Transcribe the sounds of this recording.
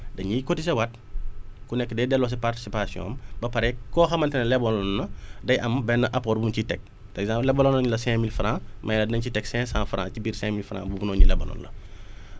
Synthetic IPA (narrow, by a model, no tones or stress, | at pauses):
dɐɲikotis̬ɐwɐt̚ | kunɛkːədɛdɛlːɔs̬ɛparti̥sipasjɔ̰̃ːmbɐpɐɾɛkːɔːxɐmɐntɛnɛlɛbɔlɔnːɐdɐjʔɐmbɛnːəʔɐpɔɾbuncitɛk̚ | pɾɛɡzãmplɛbɔlɔnɔɲulɐsɛ̃milfɾãːmʔɐjlɐdɐɲcitɛksɛ̃sãfɾã̰ːcibiːɾsɛ̃milfɾã̰ːbubunɔɲulɛbɔ̰lɔ̰nlɐ̰